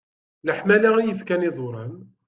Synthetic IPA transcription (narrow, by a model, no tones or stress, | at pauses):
ləħmælæʁijəfkænizˤoɾˤən